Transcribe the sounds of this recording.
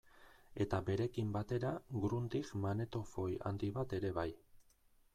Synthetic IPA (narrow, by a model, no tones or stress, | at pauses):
e̞t̪abe̞ɾe̞kimbat̪e̞ɾaɡɾunt̪ikmane̞t̪o̞fo̞ja̰nd̪iβat̪e̞ɾe̞βaj